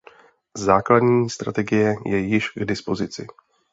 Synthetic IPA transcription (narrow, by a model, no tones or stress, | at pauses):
zaːkladɲiːst̪ɾa̰t̪ɛɡɪjɛjɛjɪʃɡdɪspo̞zɪt͡sɪ̰